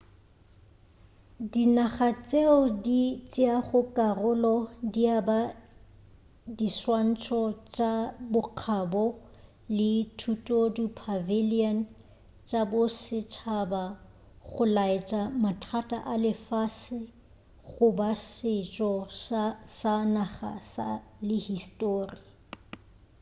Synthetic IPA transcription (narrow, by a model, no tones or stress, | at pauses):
dinaχat͡ʃʼeɔdit͡ʃʼɪaχʊkʼarʊlɔdiaba | diswan̩t͡ʃʰɔt͡ʃʼabʊq͡χʰabɔ | lɪtʰutʼodupʰavilian | t͡ʃʼabʊsɪt͡ʃʰaba | χʊlaɪt͡ʃʼamatʰatʼa̰ʔalɪfasɪ | ɣʊbasɪt͡ʃʼɔʃsanaχa̰sa̰lɪhistʼoːri